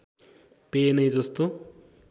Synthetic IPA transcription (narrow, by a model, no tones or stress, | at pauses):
penʌjd͡zʌst̪o